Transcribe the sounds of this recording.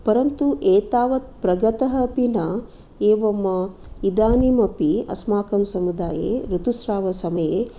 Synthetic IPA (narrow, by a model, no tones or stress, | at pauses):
pɐɾɐnt̪uʔeːt̪aːʋɐt̪̚pɾɐɡɐt̪ɐɦɐpinɐ | eːʋɐmːɐ | id̪aːnimɐpiɐ̰smaːkɐmsɐmud̪aːjḛɾut̪usɾaːʋɐsɐmɐjeː